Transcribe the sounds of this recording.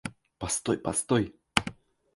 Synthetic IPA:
past̪ojpa̰st̪oj

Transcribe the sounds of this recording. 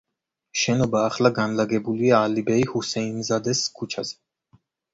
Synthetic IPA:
ʃɛnɔbaːχlaɡanlaɡɛbuliaːlibɛihusɛinzad̪ɛskʰut͡ʃʰaz̥ɛ̥

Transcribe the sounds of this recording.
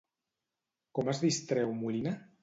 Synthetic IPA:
kɔmazðist̪ɾɛwmulina

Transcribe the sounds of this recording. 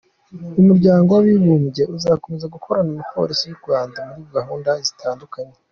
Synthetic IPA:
umuɾɟaːŋɡo̞waβiβuːmɟe̞ʔuzako̞me̞zaɡukʰo̞ɾanimipʰo̞̰ɾisijuɾɡwaːndamuɾiɡaɦuːndazitʰaːndukaɲe

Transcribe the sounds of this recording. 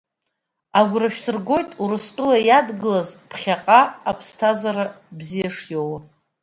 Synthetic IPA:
aɡʷraʃᶣsɨrɡo̞jtʼuɾɨstʼʊlajadɡɨlazpʰχʲaqʼaapʰstʰazaɾa | bzijaʂjow

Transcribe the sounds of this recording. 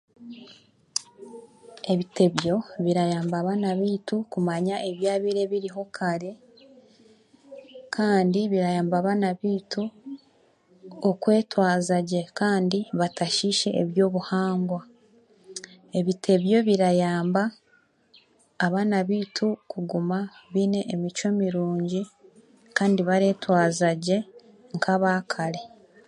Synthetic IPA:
e̞βite̞βjo̞βiɾajaːmbaːβaːnaβiːtukumaɲaʔeβjaːβiɾe̞βiɾiɦo̞kʰaɾe̞ | kʰaːndiβiɾajaːmbaːβaːnaβiːtu | okwe̞ːtwaːzaɟe̞kaːndiβataʃiʃe̞̰ʔeβjo̞ːβuhaːŋɡwa | e̞βitʰe̞βjo̞βiɾajaːmba | βaːnaβiːtʰukuɡumaβiːne̞ʔːmit͡ʃo̞miɾuːɲɟi | kaːndiβaɾe̞ːtwaːzaɟe̞ | ŋkʰaβaːkʰaɾe̞

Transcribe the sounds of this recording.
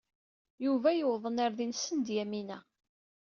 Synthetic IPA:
juvæjəwðˤənaɾðinsənd̪jæminæ

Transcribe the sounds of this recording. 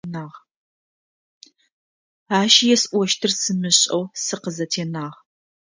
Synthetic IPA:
naːʁ | aːʃjɛsʔʷɔʃtʰɨrsɨmɨɕʼɐ̰wsɨqəzɐtʰeːnaːʁ

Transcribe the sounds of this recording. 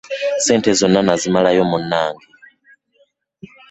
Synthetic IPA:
sɛntʰɛzɔnanazimalajɔmunaːŋɡi

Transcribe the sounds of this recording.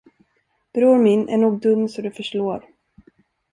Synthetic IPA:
b̥ɾuːɾmɪnʔæ̰ɳuːɡ̚d̪ɵmːsɔd̪ɵfœʂʈoːɾ

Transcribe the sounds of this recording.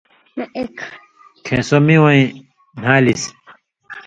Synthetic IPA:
nek | kʰẽːsomĩwɐĩ | n̤aːlis

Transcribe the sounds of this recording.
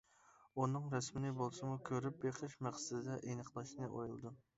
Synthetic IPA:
unɨŋɾɛsmɪnɪbolˠsɨmukʲʰøɾyp̚beqʰəʃmæχsɪd̪ɨd̪ɛʔenəqʰlˠɑʃnɨʔojulˠɨd̪u

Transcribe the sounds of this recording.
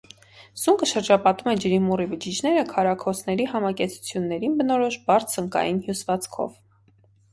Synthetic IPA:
z̥uŋkəʃəɾd͡ʒɑpɑt̪umɛd͡ʒəɾimurivəd͡ʒit͡ʃnɛɾəkʰɑɾɑkʰɔsʰnɛɾiɦɑmɑkɛt͡sʰu̥t͡sʰjunːɛɾinbənɔɾɔʃbɑɾt̪ʰzəŋkɑ̰jinhjusvɑt͡sʰkʰɔ̰v

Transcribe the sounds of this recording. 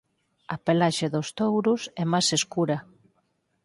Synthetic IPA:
ɐpelaʃeðʊst̪owɾʊsɛmajseskuɾɐ

